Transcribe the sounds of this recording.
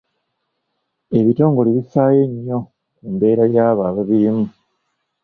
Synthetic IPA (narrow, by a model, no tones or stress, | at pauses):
e̞βito̞ːŋɡo̞liβisaːje̞ɲːo̞ | kumbe̞ːɾajaːβaːβaβimu